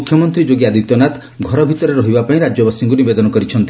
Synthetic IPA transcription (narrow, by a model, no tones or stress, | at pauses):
ukʰjɔmɔnt̪ɾid͡ʒoɡiad̪it̪jɔnat̪ | ɡʱɔɾɔbʱit̪ɔɾɔɾɔɦibapaĩɾad͡ʒjɔbasiŋɡunibed̪ɔnɔkɔɾit͡ʃʰɔnt̪i